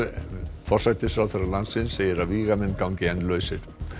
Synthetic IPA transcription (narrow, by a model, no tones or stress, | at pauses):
fɔrsajt̪ɪsfɾawθɛɾalansɪnsːeːjɪɾaviːɣamɛnːkawɲcɪɛnlœːɥsɪɾ̥